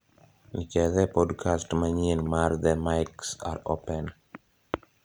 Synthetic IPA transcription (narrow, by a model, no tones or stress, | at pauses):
nit͡ʃɛðɛpɔdkʰastmaɲinmard̪ɛmajksa̰ɾo̰pɛn